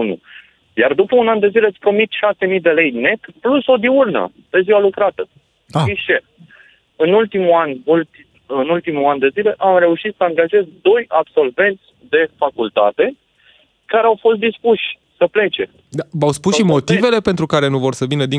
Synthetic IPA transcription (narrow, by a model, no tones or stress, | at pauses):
unṵ | jard̪upəunand̪e̞zileat̪sʲpɾo̞mit̪ʃase̞mid̪e̞le̞jne̞t̪pluso̞d̪iurnə̰ | pe̞ziwalukɾat̪ə | aiʃe | ɨnult̪imuanuli | ɨnult̪imuand̪e̞zile̞ʔamre̞uʃit̪səaŋɡaʒe̞zd̪o̞jabso̞lve̞nt̪sʲd̪e̞fakult̪a̰t̪e̞ | kaɾeawfo̞st̪d̪ispuʃʲ | səple̞t͡ʃe̞̰ | d̪aawspusʃimo̞t̪ive̞le̞pent̪ɾukaɾe̞nuvo̞rsəvinəd̪i